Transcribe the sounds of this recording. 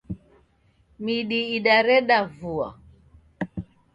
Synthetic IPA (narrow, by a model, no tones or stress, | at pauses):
miɗiːɗaɾɛɗavua̰